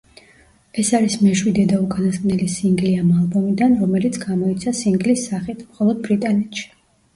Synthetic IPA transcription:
ɛsaɾismɛʃwid̪ɛd̪aukʼanaskʼnɛlisiŋɡliamalˠbɔmid̪anɾɔmɛlit̪sʰɡamɔit̪sʰasiŋɡlisːaχit̪ʰmχɔlˠɔd̪̚bɾit̪ʼanɛt̪ʰʃi̥

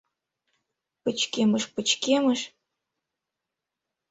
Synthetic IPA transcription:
pət͡ɕkeməʃpət͡ɕkeməʃ

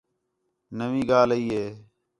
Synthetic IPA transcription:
nəʋĩːɡaːliːɦeː

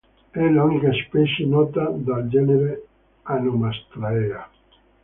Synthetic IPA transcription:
ɛlunikaspɛt͡ʃenɔt̪ad̪ald͡ʒɛneɾe | anomast̪ɾaea

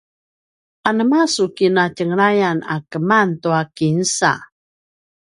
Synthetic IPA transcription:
anəmasukinacəŋɾajana̰kəmantuakinsa̰

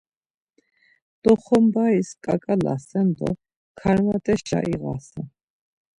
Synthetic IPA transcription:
d̪̥ɔχɔmbaiskʼakʼala̰sɛnd̪ɔ̰ | kʰaɾmat̪ʼɛʃa̰ʔiɣasɛ

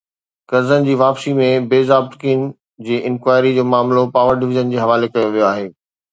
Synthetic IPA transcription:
kɐɾzənɪ̆d͡ʑiːʋaːpsimẽbeːzaːbt̪kʰiən | d͡ʑeːʔɪ̃nkʋaːɪɾid͡ʑoːmaːmlopaːʋəɾɖɪʋɪʑənd͡ʑeːɦɐʋaːlekɐjoʋijoaːɦeː

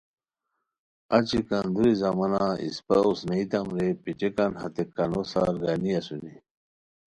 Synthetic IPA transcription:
at͡ɕikand̪uɾizamɐnaḭspɐusnɐit̪amɾepit͡ɕekanhɐt̪ekːanosa̰ɾɡaniɐsuni

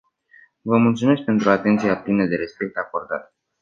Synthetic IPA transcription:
vəmult̪sume̞s̬k̚pe̞nt̪ɾuat̪e̞nt̪sijaplinəd̪e̞ɾe̞spe̞k̚t̪ako̞rd̪a̰t̪̚

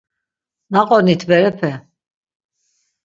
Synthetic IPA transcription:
naqʼɔnit̪ʰbɛɾɛpʰɛ

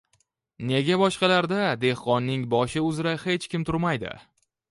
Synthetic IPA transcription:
ne̞ɡʲabɒʃqɑlaɾd̪ad̪e̞hqɒnːɪŋbɒʃɪʊzɾahe̞t͡ʃkʲɪmt̪ʰʊɾmajd̪ɪ̰

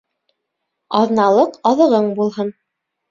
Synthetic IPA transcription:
ɑðnɑlˠɤqɑðɤ̆ʁɤɴbulˠhɤn

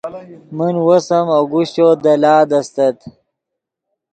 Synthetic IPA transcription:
munwosɐmoɡuɕt͡ɕod̪ɐlaːd̪ɐst̪ɐt̪

